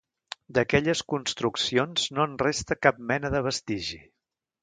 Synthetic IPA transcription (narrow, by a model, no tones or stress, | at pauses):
d̪əkɛʎəskunst̪ɾuksionz̥noənrest̪əkap̚mɛnəðəβ̞əst̪iʒi